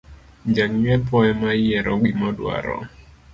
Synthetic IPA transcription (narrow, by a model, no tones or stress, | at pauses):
ɲd͡ʒaŋɲɛpɔɛmajɛɾʔɔwimɔdwa̰ɾɔ̰